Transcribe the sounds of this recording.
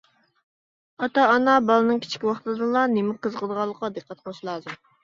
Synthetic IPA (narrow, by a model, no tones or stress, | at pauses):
ɑt̪ɑːnɑbɑlˠɨnɨŋkʲi̥t͡ʃʰi̥kʲiwɑχt̪ɨd̪ɨlˠɑnemɪqəzqʰəd̪əʁɑlˠːəqːɑd̪əqʰːɑt̪̚qʰoʃilˠɑːzɨm